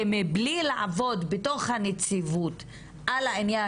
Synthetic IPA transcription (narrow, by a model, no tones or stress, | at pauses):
meblilaʕa̰vo̞dbeto̞χhanet͡sivut | ʔalainja